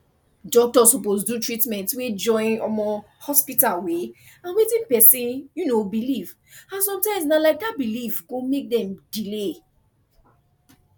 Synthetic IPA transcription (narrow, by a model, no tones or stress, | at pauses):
dɔk̚tɔsɔposdutɹitmɛ̃ntwed͡ʒɔ̃ɪ̃nɔ̰mɔ | hɔspitalwe | ãnwetĩnpɛsĩjunobiliv | ãnsɔ̃mtãɪ̃msnalaɪk̚abilivɡomek̚dɛ̃mdile